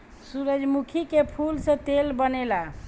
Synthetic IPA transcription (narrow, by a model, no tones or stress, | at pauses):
suɾəd͡ʒmukʰikepʰulsə̃t̪elbənela